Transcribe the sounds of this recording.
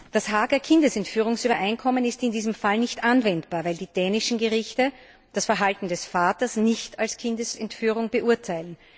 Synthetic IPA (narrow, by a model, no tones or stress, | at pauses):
d̥asɦaːɡɐkʰɪndəsɛntfyːʁ̞ʊŋsyːbɐʔaɪnkʰɔmənɪstɪndiːzəmfalnɪçtʔanvɛntb̥aːɐvæɪldiːd̥ɛːnɪʃn̩ɡəʁɪçtə | d̥asfɛɐɦaltn̩dɛsfaːtɐsnɪçtʰalskʰɪndəsɛntfyːʁ̞ʊŋb̥əʔʊɐtʰaɪlən̩